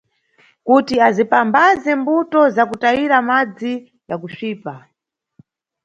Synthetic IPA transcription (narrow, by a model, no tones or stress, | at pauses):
kutiazipambazɛmbutɔzakutaiɾamad͡zi | jakuʃiːpa